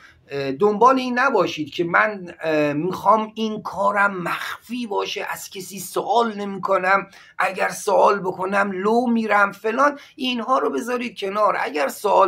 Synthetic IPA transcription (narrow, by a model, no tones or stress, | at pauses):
d̪ombɒːleiːnːæbɒːʃiːd̪̥̚cʲʰemænmiːxɒːminkʰɒːɾæmːæxfiːbɒːʃeʔæz̥cʰesiːsoʔɒːlne̞miːkʰonæm | ʔæɟæɾsoʔɒːlbokʰonæmloːmiːɾæmfelɒːn | ʔinɦɒːɾobe̞zɒːɾiːd̪̚cʰe̞nɒːɾʔæ̰ɟæɾsoʔɒː